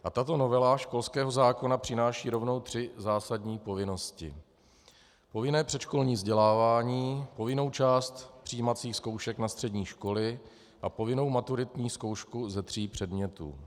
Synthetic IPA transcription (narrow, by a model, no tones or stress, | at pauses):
ʔat̪at̪o̞no̞vɛlaʃko̞lskɛːɦo̞zaːko̞napr̥ɪnaːʃiːɾo̞vno̞wt̪r̥ɪzaːsadɲiːpo̞vɪno̞scɪ | po̞vɪnɛːpr̝̥ɛtt͡ʃko̞lɲiːvzɟɛlaːvaːɲiːpo̞vɪno̞wt͡ʃaːst̪pr̥ijːimat͡siːxsko̞wʃɛknast̪r̥ɛdɲiːʃko̞lɪ | ʔapo̞vɪno̞wmat̪uɾɪt̪ɲiːsko̞wʃkuzɛt̪r̝̥iːpr̝̥ɛdmɲɛt̪ṵː